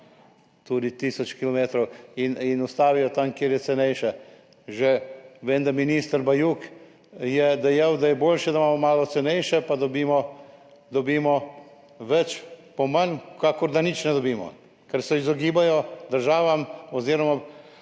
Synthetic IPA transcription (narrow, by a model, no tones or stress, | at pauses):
t̪uːd̪it̪iːsɔt͡ʃkilɔmeːt̪ɾɔwininust̪aːʋijɔt̪amkjeːɾjɛt̪sɛnɛjʃɛ | ʒɛʋeːnd̪aminist̪əɾbajuːk | jɛd̪ɛjawd̪ajɛboːlʃɛd̪amaːmɔmaːlɔt̪sɛnɛjʃɛpad̪ɔbiːmɔ | d̪ɔbiːmɔ | ʋɛt͡ʃpɔmankaːkɔɾd̪anit͡ʃnɛd̪ɔbiːmɔ̰ | kɛɾsɛizɔɡiːbajɔd̪əɾʒaːʋamɔziːɾɔma